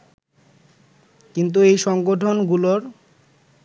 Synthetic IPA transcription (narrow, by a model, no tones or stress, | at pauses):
kint̪̬uejʃɔŋɡoʈʰonɡuloɾ